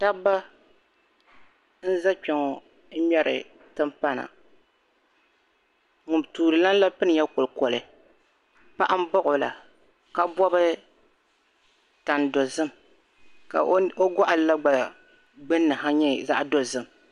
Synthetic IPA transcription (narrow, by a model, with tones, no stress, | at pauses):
ta˦bːa˦ | n̩˦za˦k͡pɛ˨ŋɔ˨ | n̩˦mɛ˦ɾɨ̰˨ | tɨ˦mpa˦na̰˨ | ŋʊ˨mtuː˨ɾɨ˨la˦n˦la˦pɨ˦nɨ˨ja˦kʊ˨lkɔ˨lɨ˨ | pa˦ʔa˦m̩˦bɔ˦ʔʊ˨la̰˨ | ka˦bɔ˦bɨ˦ | ta˨n˨dɔ˨zɨ˦m | ka̰˨o˦ɡɔ˦ʔa˨lla˦ɡ͡ba˨ | ɡ͡bɨ˦nːɨ˨ɦa˦ɲɛ˦za̰˦ʔdɔ˨zɨ˦m